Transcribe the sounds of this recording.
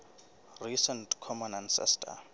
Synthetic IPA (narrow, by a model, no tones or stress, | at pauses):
risɛntkʰɔmɔnansɛ̰stʰa̰